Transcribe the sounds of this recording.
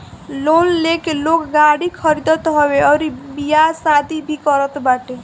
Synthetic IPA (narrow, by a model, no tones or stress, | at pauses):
lonlekelokɡaɽikʰʌɾid̪ʌt̪ɦɔbeʌɾibijasad̪ʱibʱikʌɾət̪baʈe